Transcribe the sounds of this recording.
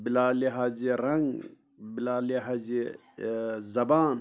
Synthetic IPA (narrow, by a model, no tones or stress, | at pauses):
bilaːliɦaːziɾɐŋɡ | bilaːliɦazi | zɐbaːn